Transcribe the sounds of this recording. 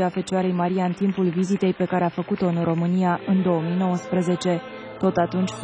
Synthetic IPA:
afe̞t͡ʃaɾe̞jmaɾijaɨnt̪impulvizit̪e̞jpe̞kaɾe̞afəkut̪o̞ɨnro̞mɨnijaʔɨnd̪o̞əmijno̞wəspɾe̞ze̞t͡ʃe̞ | t̪o̞t̪at̪unt͡ʃʲf

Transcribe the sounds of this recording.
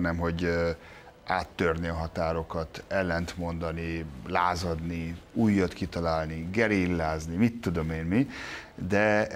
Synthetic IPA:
nɛmɦo̞ɟ | aːt̪ːørniɒɦɒt̪aːɾo̞kɒt̪ɛlːɛnt̪mo̞nd̪ɒnilaːzɒd̪niuːjːɒt̪kit̪ɒlaːlniɡɛɾilːaːznimit̪ːud̪o̞meːnmi | d̪ɛ

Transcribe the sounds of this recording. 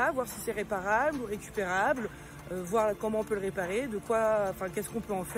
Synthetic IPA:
avwaʁsi̥sɛʁepaʁabluʁekʲy̥peʁabl | øvwaʁkɔmɑ̃ɔ̃pøləʁepaʁed̪əkwaɑ̃fɛ̃kʲɛskɔ̃pøɑ̃fɛ

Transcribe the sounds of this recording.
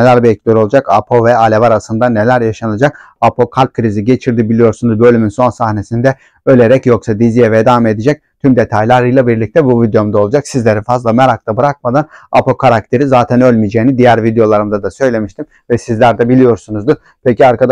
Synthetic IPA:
elʲæɾbiɛcʰʲd̪eɾo̞lˠud͡ʒaka̰pʰo̞vɛalʲevaɾasɯnd̪ane̞lʲæɾjaʃanad͡ʒak̚ | apʰo̞kʰalʲp̚kʰɯɾiziɟe̞t͡ʃʰiɾd̪ibilʲijo̞ɾsunuzbø̞lʲyminso̞nsahne̞sind̪ɛ | ø̞lʲe̞ɾɛcjo̞ksad̪izijevɛd̪ame̞d̪id͡ʒɛc̚t̪ʰymd̪e̞t̪ʰajlʲˠaɾɯjlˠabiɾlʲic̚t̪ʰɛbuvid̪jo̞md̪aolˠud͡ʒaksizlʲe̞ɾifazlˠameɾakt̪ʰabɯɾak̚mad̪ana̰po̞kʰaɾak̚t̪ʰe̞ɾizaːt̪ʰænø̞lʲmid͡ʒeːnid̪ijæɾvid̪ejo̞lˠaɾɯmd̪ad̪asø̞jlʲe̞miʃt̪ʰim | vɛsizlʲæɾd̪ɛbilʲijo̞ɾsunuzd̪ɯ | pʰeciaɾkʰad̪

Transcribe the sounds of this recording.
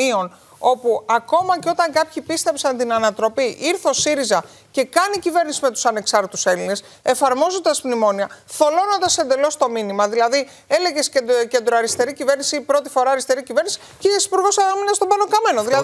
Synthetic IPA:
io̞n | o̞puɐko̞mɐceo̞t̪ɐŋkɐpçipist̪epsɐnt̪inɐnɐt̪ɾo̞piʔiɾθo̞siɾizɐ | ce̞kɐnicive̞ɾnisimet̪u̥sɐne̞ksɐɾt̪t̪use̞line̞s | e̞fɐɾmo̞zond̪ɐsmnimo̞niɐθo̞lo̞no̞nd̪ɐsːend̪e̞lo̞st̪o̞minimɐðilɐði | e̞le̞ʝe̞scece̞nd̪ɾoɐɾist̪e̞ɾicive̞ɾnisipɾo̞t̪i̥fo̞ɾɐɐɾist̪e̞ɾicive̞ɾnisi̥ | ceesi̥puɾɣo̞sɐminɐst̪obɐno̞kɐme̞no̞ðilɐ

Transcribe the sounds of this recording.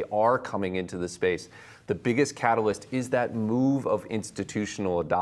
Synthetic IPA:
ʔə˞kʰʌmɪ̃ŋɪ̃ntʉðɨspeɪs | ðɨbɪɡɨskʰæɾl̩ˠəstɪzðɨt̚muvʌvɪ̰̃nstɨtʰʉʃn̩l̩ˠədɑ

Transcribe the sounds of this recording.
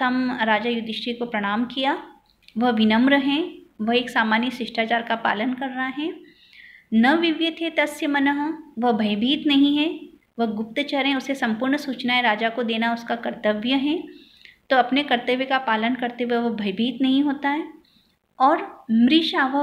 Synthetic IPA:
ɐmɾaːd͡ʒajʊd̪ɪʃikopɾɐɽ̃aːmkija | ʋɐɦʋɪnəmɾəɦɛ̃ʋɐɦeːksaːmaːnjəsɪʃʈʰaːt͡ʃaːɾkapa̰ːlənkɐɾːɐɦaɦɛ̃ː | nɐʋɪʋjət̪ʰet̪ɐsjəmɐnəɦʋɐɦbʱɐɪbʱiːt̪nɐɦĩɦɛ | ʋɐɦɡʊp̚t̪t͡ʃɐɾɦɛ̃ʊsesɐ̃mpʊːɾɳsuːt͡ʃnaeɾaːd͡ʒakod̪eːnaʊskakɐɾt̪əʋjəɦɛ̃ | t̪oɐpnekɐɾt̪əʋjəkapaːlənkɐɾt̪eʋeʋɐɦbʱɐɪbʱiːt̪nɐɦĩɦoːt̪aɦɛː | ɔːɾmɾiːʃaːʋə

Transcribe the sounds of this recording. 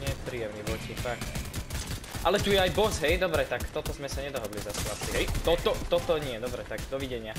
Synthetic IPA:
ɲɪɛpɾiːjɛmniʋɔcifakt̪ | ʔalɛt̪ujɛajbɔsɦɛjd̪ɔbɾɛt̪akt̪ɔt̪ɔzmɛsaɲɛd̪ɔɦɔd̪lizasɛlat͡siɦɛjt̪ɔt̪ɔt̪ɔt̪ɔɲɪɛd̪ɔbɾɛt̪aɡd̪ɔʋiɟɛɲɪa

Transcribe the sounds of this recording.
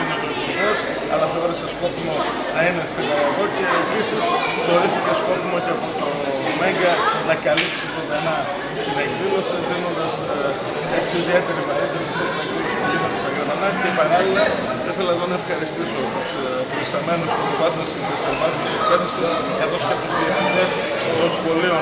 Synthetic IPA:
inepɾot̪oiðes | ɐ̰lɐθe̞oɾesesko̞pimo̞ | nɐine̞seɣɐloɣo̞ce̞ːpisisxo̞ɾiθicesko̞pimoceɐpot̪o | me̞ŋɡɐnɐkɐlipsisod̪ɐnɐ | cenɐnðilo̞seðino̞nd̪ɐs | eksiðiet̪e̞ɾivɐɾit̪ɐst̪ipep̪ɐtiuspolimonɐst̪ɐʝeɾmɐnɐcepɐɾɐlilɐ | θɐiθe̞lɐðo̞nɐe̞fxɐɾist̪iso̞t̪us | pɾoist̪ɐme̞nusppɾospɐθund̪ɐscet̪isekst̪ovɐθmɐsipeɾses | kɐθo̞skɐp̪uzðiefniɲes | t̪o̞nsxo̞lio

